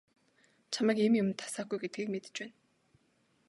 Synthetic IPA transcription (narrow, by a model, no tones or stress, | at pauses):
t͡ɕʰamæ̆ːkemjʊmnt̪ʰḁsaːɡujɡet̪̚ɡiːk̚met̪ɘ̥̆t͡ɕpæːn